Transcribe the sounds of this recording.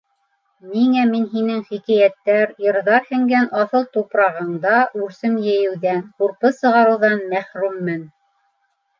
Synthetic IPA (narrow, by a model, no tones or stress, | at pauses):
miŋæminɦinɘŋχikæjæt̪ːæɾjɤ̆ɾðɑɾhɘ̆ŋɡænʔɑθɤlˠt̪upɾɑʁɤ̆ɴd̪ɑʔʉɾsɘmjɘ̆jɘ̆wðænquɾpɤsɤ̆ʁɑɾɤ̆wðɑnmæχɾʉmːɘn